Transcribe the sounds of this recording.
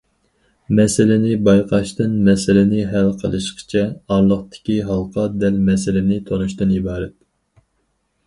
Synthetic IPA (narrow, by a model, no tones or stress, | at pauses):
mɛsɪlɪnɪbɑjqʰɑʃt̪ɨnmɛsɪlɪnɪɦælqʰə̰lˠɨʃqə̥t͡ʃʰɛɑɾlˠəχt̪ɪ̥kʲiɦɑlˠqʰɑd̪ɛlmɛsɪlɪnɪt̪ʰonuʃt̪ɨnibɑːɾɛt̪